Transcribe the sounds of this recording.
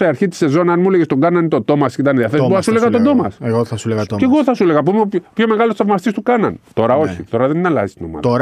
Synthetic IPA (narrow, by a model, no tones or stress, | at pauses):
eɐɾçit̪i̥se̞zo̞nɐnmuleʝest̪oŋɡɐnɐnit̪od̪o̞mɐsit̪ɐniðiɐθesipuɐsuleɣɐt̪od̪o̞mɐ̰seɣoθɐsuleɣɐce̞ɣoθɐsuleɣɐp̬umeopçome̞ɣɐlost̪θɐvmɐst̪ist̪ukɐnɐ̰nt̪o̞ɾɐo̞çḭt̪o̞ɾɐðennɐlɐ̰zist̪ino̞mɐ̰ðo